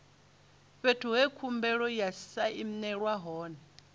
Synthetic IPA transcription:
ɸetʰuɦɛkʰumbɛɺɔjasaʔim̩nɛɺwaɦɔːnɛ

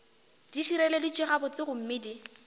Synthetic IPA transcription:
d̥iʃiɾɛledit͡ʃʼɪχabʊt͡sʼɪɣʊm̩mɪːdi

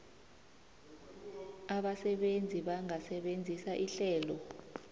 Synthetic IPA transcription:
aɓasɛɓend͡zʱiɓaŋasɛɓend͡zʱisaʔiɬɛːlɔ

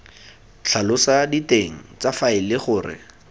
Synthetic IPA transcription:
t͡ɬʰalʊsaditeŋ̩t͡safaɪlɪχʊːrɪ̰

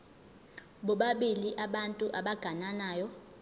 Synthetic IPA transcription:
ɓɔɓaɓiliʔaɓantʼuʔaɓaɡ̥ʱananaːjɔ

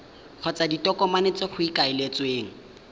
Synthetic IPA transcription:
q͡χʰɔt͡saditɔkɔmanet͡sɪχʊikaɪlet͡sweːŋ̩

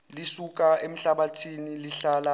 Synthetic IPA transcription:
lisuk̬ʼaem̩ɬaɓatʰiniliɬala

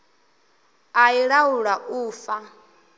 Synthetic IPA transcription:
aiɺauɺaʔuːfa

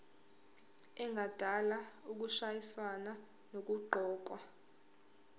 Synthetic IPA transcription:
ɛŋɡʱad̥ʱalauk̬uʃajiswana | nok̬uǃʱɔːk̬wa

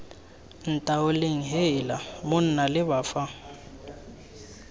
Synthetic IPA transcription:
n̩tʼaoleŋ̩ɦeɪlamʊn̩nalɪβaːfa

